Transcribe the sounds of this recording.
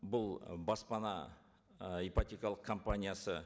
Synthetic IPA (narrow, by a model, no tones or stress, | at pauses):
bʊlˠbɑspɑnɑ | ipat̪ʲekɑlˠəq̚kʰːompanʲijasə